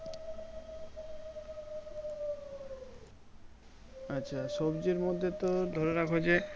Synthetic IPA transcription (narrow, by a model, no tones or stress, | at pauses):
atːɕʰaʃɔbd͡ʑeɾmod̪ʱːet̪od̪ʱɔɾeɾakʰod͡ʑe